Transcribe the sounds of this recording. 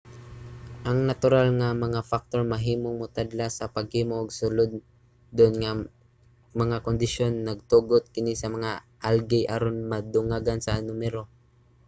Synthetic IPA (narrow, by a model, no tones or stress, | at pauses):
ʔɐŋnɐt̪ʊɾalŋamɐŋafak̚t̪oɹmɐɦiːmoŋmʊt̪ad̪lasɐpɐɡ̚hiːmoʔɐɡsʊlod̪̚ | d̪oʔnŋa | mɐŋakond̪ɪʃonːɐɡ̚t̪uɡot̪̚kɪnisɐmɐŋa | ʔalɡɪjʔaɾonmɐd̪ʊŋaɡansɐnʊmɛɾo